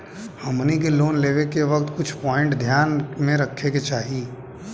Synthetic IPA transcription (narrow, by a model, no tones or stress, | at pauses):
hɐmnik̬eloːnleːʋekeʋɐkt̪kʊt͡ʃʰpɔːɪ̃ɳʈd̪ʱjaːnmẽɾɐkʰːeket͡ʃaːɦi